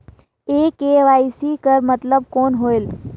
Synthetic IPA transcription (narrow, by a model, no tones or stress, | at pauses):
ekeʋaisikəɾmət̪ləb̚konɦoel